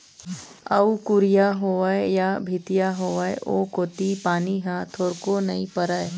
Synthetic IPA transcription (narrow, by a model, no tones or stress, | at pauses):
ɐ̰wkʊɾijaɦoʋəejabʱɪt̪ijaɦoːʋəeʔoːkoːt̪ipaːniɦãt̪ʰoːɾkonɐĩpəɾae